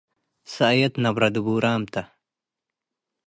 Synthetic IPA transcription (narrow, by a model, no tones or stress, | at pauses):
sajɐt̪nɐbɾɐd̪ubuːɾaːmt̪ɐ